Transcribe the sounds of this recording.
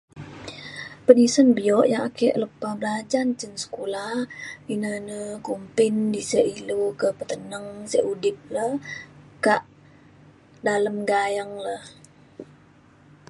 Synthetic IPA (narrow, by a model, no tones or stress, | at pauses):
pədisənbiɔʔjaŋakɛʔləpːabəlad͡ʒant͡ʃənsə̥kulahinənəkumpɪndisəʔilokəpət̪ənəŋsɛʔudɪp̚ləhkaʔ | daləmɡajəŋləh